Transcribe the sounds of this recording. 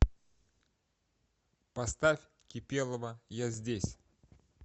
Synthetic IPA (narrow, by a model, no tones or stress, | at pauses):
pɐst̪afʲ | kʲɪpʲe̞lˠəvəjazʲdʲesʲ